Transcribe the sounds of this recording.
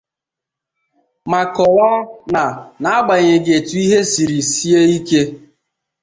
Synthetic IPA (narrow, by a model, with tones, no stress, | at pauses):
ma˨kɔ˨wa˦na˨na˨a˦ɡ͡ba˨ɲe˨ɡe˨tu˨˦i˦ɦe˦si˨ɾi˨si˦e˦i˦ke˦